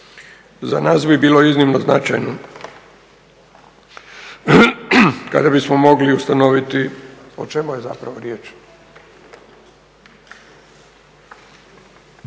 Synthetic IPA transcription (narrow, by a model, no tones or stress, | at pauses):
za̰naːsbibiːlo̞iznimnozna̰t͡ʃa̰jno | ka̰d̪abismo̞mo̞ɡliust̪anoʋit̪iot͡ʃe̞mujeza̰pɾaʋoɾjeːt͡ʃ